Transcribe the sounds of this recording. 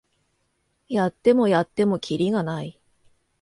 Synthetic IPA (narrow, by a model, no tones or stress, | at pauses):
jat̪ːe̞mo̞jat̪ːe̞mo̞kʲʰiɾʲiɡanai